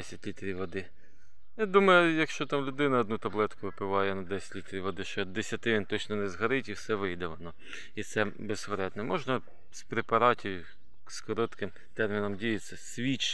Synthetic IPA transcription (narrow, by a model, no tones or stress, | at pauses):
ɛsʲɐtʲlʲit̪ɾʲiʋʋɔd̪ɪ | jad̪umɐjʊjɐkʃt͡ʃɔt̪ɑmlʲʊd̪ɪnɐːd̪nut̪ɐblˠɛt̪kʊʋɪpɪʋɑjɛnɐd̪ɛsʲɐ̥tʲlʲit̪ɾʲiʋɔd̪ɪʃt͡ʃɛd̪esʲɐt̪ɪʋʲint̪ɔt͡ʃnɔnɛzɦɐɾɪtʲiwsɛʋɪjd̪ɛʋɔnɔ | it̪sɛ | besʋɾɛd̪nɛmɔʒnɐ | spɾepɐɾɑtʲiw | skɔɾɔt̪kɪm | t̪ɛrmʲinɔmdʲijɐsʲɐsʲʋʲit͡ʃ